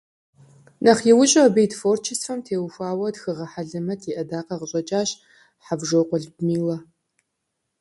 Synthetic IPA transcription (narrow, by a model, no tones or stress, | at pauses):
nʔɐχjɛwʊɕʼɐbejtfoːrt͡ʃʰɪsfɐmtʰeːwxʷaːwɐdxɨʁɐħaɮɨmɐtʰiʔɐdaːqɐʁəɕʼɐt͡ʃʼaːɕ | ħabʒowqʷʼɔɮbmiːlɐ